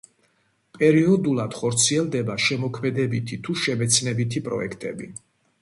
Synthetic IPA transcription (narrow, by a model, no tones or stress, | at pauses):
pʼɛɾiɔd̪ulˠad̪̥χɔɾt̪sʰiɛlˠd̪ɛbaʃɛmɔkʰmɛd̪ɛbit̪ʰit̪ʰuʃɛmɛt̪sʰnɛbit̪ʰipʼɾɔ̰ɛkʰt̪ʼɛbḭ